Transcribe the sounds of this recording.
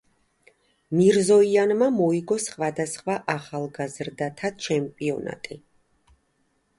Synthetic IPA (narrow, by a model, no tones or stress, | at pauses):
miɾzɔianmamɔiɡɔsχwad̪asχwaʔaχalˠɡazɾd̪at̪ʰat͡ʃʰɛmpʼiɔna̰t̪ʼi